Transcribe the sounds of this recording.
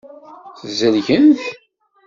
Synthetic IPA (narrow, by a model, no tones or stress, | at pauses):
θzəlʝənθ